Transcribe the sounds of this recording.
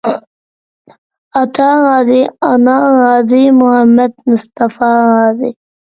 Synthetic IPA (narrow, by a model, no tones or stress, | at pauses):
at̪ɑːɣɑːzianɑːɣɑːzimʊhamːad̪mʊst̪afɑːɣɑːzi